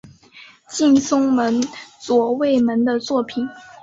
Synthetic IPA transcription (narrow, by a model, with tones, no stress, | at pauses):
t͡ɕi˥˩nsʊ˥ŋmə˧˥nt͡swɔ˨˩we˥˩ɪmə˧˥nd̪ə˧t͡swɔ˥˩pʰi˨˩˦n